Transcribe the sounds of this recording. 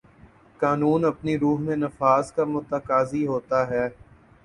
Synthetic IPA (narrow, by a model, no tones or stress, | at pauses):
kaːnuːnɐpniɾuːɦmẽnɐfaːzkamʊt̪əkaːziɦoːt̪aɦɛː